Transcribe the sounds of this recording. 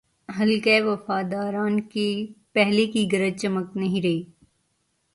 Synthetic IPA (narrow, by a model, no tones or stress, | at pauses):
ɦɐlkeeʋɐfaːd̪aːɾaːnkipɛɦlekiɡɐɾəd̪̚t͡ʃɐməknɐɦĩɾɐɦiː